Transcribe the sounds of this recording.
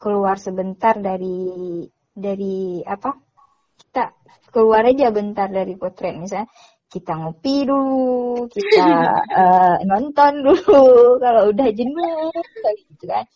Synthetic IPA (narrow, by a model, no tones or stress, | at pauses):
kəluarsəbənt̪ardaɾi | daɾiapa | ki̥t̪a | kəluaɾad͡ʒabənt̪ardaɾikot̪ɾɛt̪̚mis̬aɲa | kit̪aŋopidulukit̪aənɔnt̪ɔndulukaloudahd͡ʒindult̪aiɡit̪ukan